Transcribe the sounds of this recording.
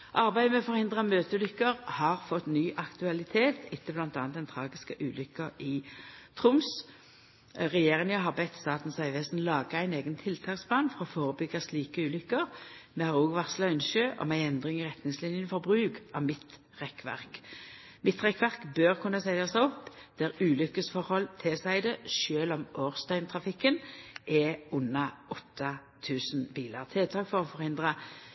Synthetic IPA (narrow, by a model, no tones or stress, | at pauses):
ʔɑʁbæɪd̪əmɛfɔʁhɪnd̪ʁɑmøːt̪əʉlʏkːəʁhɑʁfɔt̪nyːʔɑkt̪ʉɑlɪt̪ʰeːt̪ʰɪt̪ːəblɑnt̪ɑːn̚d̪ɛnt̪ʰʁɑːɡɪskəʔʉːlʏkːɑɪt̪ʰʁʊms | ʁɛjeːʁɪnjɑɦɑʁbɛt̪st̪ɑːt̪n̩sɑɪʋeːsn̩lɑːɡəæɪneːɡənt̪ʰɪlt̪ʰɑːkspʰlɑːnfɔʁɔfoːʁəbʏɡːɑsliːkəʉːlʏkːəʁmɛhɑʁoːɡʋɑʁslɑʏnʃøːʔɔ̰mæɪɛnd̪ʁɪŋɪʁɛt̪nɪŋslɪnjənfɔʁbʁʉːkɑ̰mɪt̪ | ʁɛkːʋæ̰ʁk | mɪt̪ʁɛkʋæʁkbøʁkʰʉnːɑsæɪd̪ɑsæɪɔpːd̪̥æʁʉːlʏkːəsfɔʁhɔlt̪ʰɛsæɪd̪əʃøːlɔmoːʁst̪œʏnt̪ʰʁɑfɪkːənʔɛʊnːɑʔɔt̪ʰːɑ | t̪ʰʉːsnbiːlɑ̰ʁt̪ʰeːt̪ʰɑːkfɔʁɔfɔʁhɪnd̪ʁɑ